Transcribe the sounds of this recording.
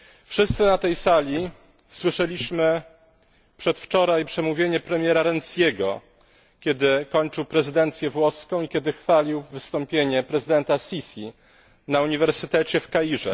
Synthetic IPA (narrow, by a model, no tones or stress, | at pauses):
fʂɘst̪sɘnat̪ɛjsalʲi | swɘʂɛlʲiɕmɘ | pʂɛt̪ft͡ʂɔɾajpʂɛmuvʲjeɲɛpɾɛmʲjɛɾaɾɛnt̪sjʲeɡɔ̰ | kʲɛd̪ɘkɔɲt͡ʂɘwpɾɛzɘd̪ɛnt̪sʲjɛvwɔskɔ̃w̃ikʲɛd̪ɘxfalʲiwvɘst̪ɔmpʲjeɲɛpɾɛzɘd̪ɛnt̪asʲisʲi | nauɲivɛɾsɘt̪ɛt͡ɕɛfkaiʐɛ̰